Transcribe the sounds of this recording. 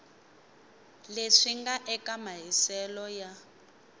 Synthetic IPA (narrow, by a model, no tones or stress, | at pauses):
leʂiŋɡaʔɛkamaɦisɛlɔja